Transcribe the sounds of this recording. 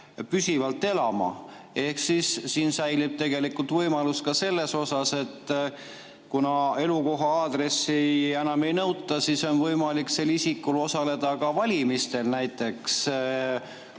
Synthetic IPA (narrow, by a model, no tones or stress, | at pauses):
pysivɑlt̪ːe̞lɑmɑ̰ | e̞hksisːiːnsæjlib̥̚t̪e̞ɡ̥e̞likːˑult̪vɤjmɑlust̪̚kɑse̞lːe̞so̞sɑse̞t̪ː | kunɑe̞luko̞ɦɑɑːd̪̥ɾe̞sːiænɑme̞jnɤwt̪ːˑɑsiso̞nvɤjmɑlikse̞lisikːˑulo̞sɑle̞d̪̥ɑkɑvɑlʲimist̪e̞lnæjt̪ːˑe̞ks